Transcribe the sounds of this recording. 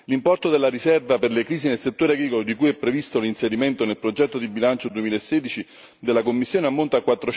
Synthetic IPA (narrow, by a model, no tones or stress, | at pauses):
limpɔrt̪od̪elːaɾisɛrvaperlekɾiːsinelset̪ːoːɾeaɡɾiːkolod̪ikujɛpːɾevist̪olinseɾiment̪onelpɾod͡ʒɛt̪ːod̪ibilant͡ʃod̪uemiːlaesːeːd̪it͡ʃi | d̪elːakomːisːjoːneamːont̪akːwat̪ːɾo